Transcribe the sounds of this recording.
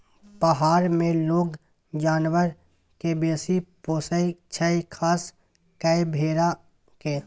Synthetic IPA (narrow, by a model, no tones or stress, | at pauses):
pəɦaːɾmẽloːɡ | d͡ʒaːnwəɾ | kebeːsipoːsəit͡ʃʰəikʰaːs | kəebʱeːɾa | keː